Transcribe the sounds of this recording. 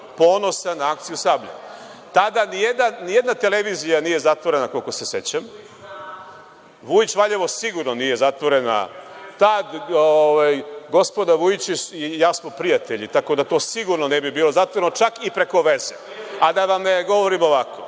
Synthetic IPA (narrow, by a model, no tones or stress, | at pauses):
po̞ːno̞sanaakt̪sijusaːbʎa̰ | t̪ad̪anijed̪nanijed̪nat̪e̞leʋiːzijanije̞zat̪ʋo̞ɾe̞nako̞lkose̞se̞t͡ɕam | ʋujit͡ɕʋaʎeʋo̞siɡuɾnonije̞zat̪ʋo̞ɾe̞na̰t̪ad̪oʋajɡo̞spo̞d̪aʋujit͡ɕisijaːsmopɾijat̪eʎit̪ako̞d̪at̪o̞ːsiɡuɾnonebibiːlo̞zat̪ʋoɾenot͡ʃakipɾe̞ko̞ʋeze | ad̪aʋamneɡo̞ʋo̞ɾimo̞ʋakʰo̰